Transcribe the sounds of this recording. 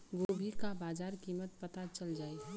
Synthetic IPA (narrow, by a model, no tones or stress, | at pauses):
ɡobʱikabaːd͡ʒaːɾkiːmət̪̚pət̪at͡ʃəld͡ʒaːiɦɛ